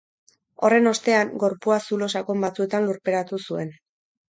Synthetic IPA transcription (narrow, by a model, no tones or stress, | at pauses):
o̞re̞no̞st̪e̞aŋɡo̞ɾpuasulo̞sakombat͡sue̞t̪anluɾpe̞ɾat̪usue̞n